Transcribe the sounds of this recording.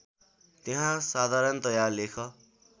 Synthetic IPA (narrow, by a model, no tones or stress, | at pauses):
t̪eɦãsad̪ʱaɾʌnt̪ʌjarlekʰʌ